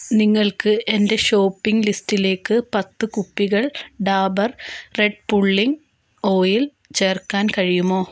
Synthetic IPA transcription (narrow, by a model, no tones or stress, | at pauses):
niŋːɐɭkɨʔe̞nde̞ɕo̞ːpːiŋɡlistile̞ːkːɨpɐt̪ːɨkupːiɣɐɭɖaːbɐrre̞ɖ̚puɭːiŋ | o̞ːjil | t͡ɕe̞ːrkːaːnkɐɻijumo̞ː